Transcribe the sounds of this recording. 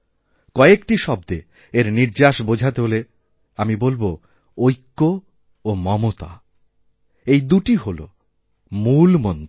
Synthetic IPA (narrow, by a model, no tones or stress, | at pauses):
kɔeekʈiʃɔbd̪e | eɾniɾd͡ʑaʃbod͡ʑʱat̪eɦole | amibolbo | ojkːo | omɔmot̪a̰ | ejd̪uʈiɦolo̰ | mulmont̪